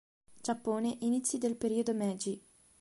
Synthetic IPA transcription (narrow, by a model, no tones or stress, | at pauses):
d͡ʒapːoːneʔinit̪sːjid̪elpeɾiːod̪omɛːd͡ʒi